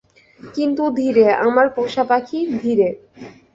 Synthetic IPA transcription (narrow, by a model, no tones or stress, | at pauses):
kint̪ud̪ʱiɾeamaɾpoʃapakʰid̪ʱiɾe